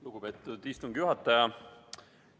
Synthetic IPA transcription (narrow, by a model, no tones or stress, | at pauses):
luɡ̥ube̞ːt̪ːˑud̪̥ist̪uŋɡ̥juɦɑt̪ːˑɑjɑ